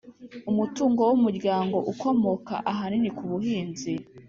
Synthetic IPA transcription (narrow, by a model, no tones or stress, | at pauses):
umutuːŋɡo̞wumuɾɟjaːŋɡo̞ʔuko̞mo̞ka̰ʔaɦaninikuβuɦiːnzi